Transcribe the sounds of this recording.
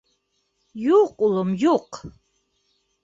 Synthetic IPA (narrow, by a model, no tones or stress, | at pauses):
juqʼʊlamjoq